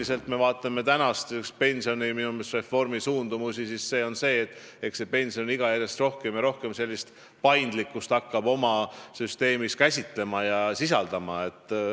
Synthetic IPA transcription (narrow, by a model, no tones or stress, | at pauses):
ise̞lt̪me̞vɑːt̪ːˑɑme̞t̪ænɑst̪ekspe̞nʲsio̞niminumest̪re̞fo̞rmisuːnd̪umusisisse̞ːo̞nse̞ːt̪ːˑ | ekse̞pe̞nʲsio̞niɡ̥ɑjæɾjɑst̪ro̞hke̞mjɑɾo̞hke̞mse̞lʲːist̪ | pɑjnd̪likːˑust̪ɑkːɑbo̞mɑsyst̪e̞ːmiskæsʲit̪le̞mɑjɑsisɑ̰ld̪̥ɑmɑe̞t̪ːˑ